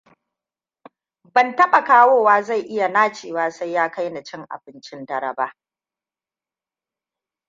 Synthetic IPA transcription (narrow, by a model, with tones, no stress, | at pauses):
bɐ˨ntɐ˦ɓa˨kaː˦woː˦˨waː˦za˦˨jʔɪ˦ja˨naː˦t͡ʃeː˨waː˦sa˦jːaː˦ka˦jna˨t͡ʃɪ˦ŋʔa̰˨bɪ˦nt͡ʃɪ˦ndɐ˦ɾɐ˨baː˦